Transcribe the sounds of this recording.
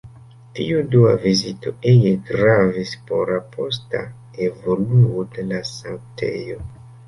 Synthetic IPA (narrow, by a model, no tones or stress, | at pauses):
tḭuduavizito̞̰ejeɡɾavispo̞̰ɾapʰo̞sta̰ | evo̞luode̞lasaŋtʰḛjo̞